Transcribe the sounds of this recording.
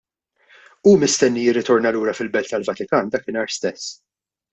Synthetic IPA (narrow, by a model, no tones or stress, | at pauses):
uːmɪst̪ɛnːijɪrːɪt̪ɔɾnɐluːɾɐfɪlbɛlt̪t̪ɐlvɐt̪ɪkɐːnd̪ɐːkɪnɐːɾst̪ɛsː